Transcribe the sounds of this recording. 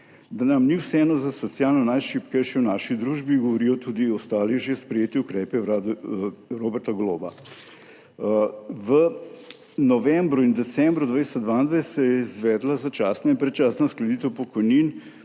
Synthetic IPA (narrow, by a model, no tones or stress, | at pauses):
d̪anamniwsɛɛːnɔzasɔt̪sjaːlnɔnajʃipkəjʃɛwnaːʃid̪ɾuːʒbiɡɔʋɔɾiːjɔt̪uːd̪iɔst̪aːliʒespɾɛjeːt̪iukɾɛːpɛwɾaːd̪uɾobɛɾt̪aɡloːba̰ | ʋə | nɔʋɛmbɾuind̪ɛt̪sɛmbɾud̪ʋajsɛd̪ʋaːind̪ʋajsɛjɛizʋɛːd̪lazat͡ʃaːsnainpɾɛt̪t͡ʃaːsnasklɛd̪iːt̪ɛwpɔkɔjnin